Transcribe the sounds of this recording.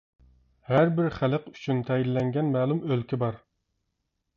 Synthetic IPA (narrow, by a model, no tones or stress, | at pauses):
hæɾbɪɾχæləqy̥t͡ʃʰynt̪ʰɛjid̪lɛŋɡʲɛnmæːlˠumølkʲibɑɾ